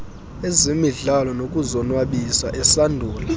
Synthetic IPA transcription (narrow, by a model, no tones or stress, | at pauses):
ezimiɮalɔnokʼuzɔnwaɓisaʔɛsandʱuːla